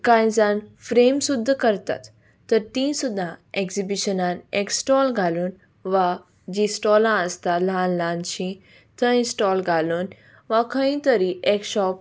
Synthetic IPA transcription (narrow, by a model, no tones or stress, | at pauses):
kãj̃d͡zanfɾemsud̪ʱːkəɾt̪a̰t̪ː | əɾt̪ĩːsud̪ʱːãekzibiʃənãneksʈɔːlɡʱaluːn | ʋa | d͡ʑisʈɔlãəst̪alãnlaːnt͡ɕĩ | t̪ʰə̃ĩnsʈɔːlɡʱaluːn | ʋakʰə̃ĩt̪əɾiʔekʃɔp